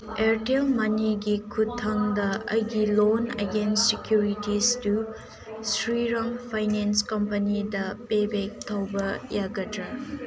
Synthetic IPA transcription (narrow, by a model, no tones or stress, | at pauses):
eɾtelmɐniɡikʰutʰːɐŋdɐɐ̰jɡilonḛɡensːekjuɾitistu | sɾiɾɐŋpʰajnenskɐmpɐnidɐpebek̚tʰɐwbɐjaɡɐdɾɐ